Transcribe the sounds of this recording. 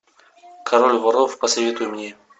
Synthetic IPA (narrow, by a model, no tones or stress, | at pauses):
kʰɐɾolʲvɐɾˠofpəsɐvʲe̞t̪ʊjɪmnʲe